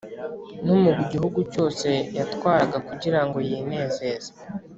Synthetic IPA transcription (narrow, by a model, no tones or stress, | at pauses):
numuɡiɟihuɡuco̞ːse̞jatwaːɾaɡakuɟiɾaŋɡo̞jine̞ːze̞ːz̥ḁ